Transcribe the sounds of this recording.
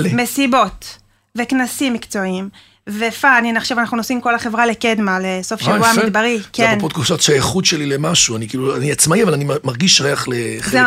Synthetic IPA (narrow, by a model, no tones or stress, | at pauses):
lme̞sibo̞t̪ | veknasimːikt͡so̞im | vefaːnineχʃavanaχnunosimko̞laχe̞vʁaleked̪maleso̞fʃavuamid̪baʁikenpot̪̚kufsot̪ʃajeχud̪ʃelilemaʃuanikiːluaniat͡smaiavalanimaʁɡiʃʁeaχleze